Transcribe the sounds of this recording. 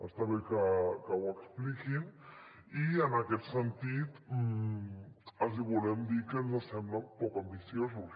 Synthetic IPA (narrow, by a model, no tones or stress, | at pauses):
əst̪aβekəkəwəksplikin | iənakɛt̪sənt̪it̪ | əziβulɛmd̪ikənzəsɛmbləpɔkambisjozus